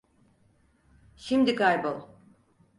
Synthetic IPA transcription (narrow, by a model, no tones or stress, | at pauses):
ʃimd̪ikaɾbolˠ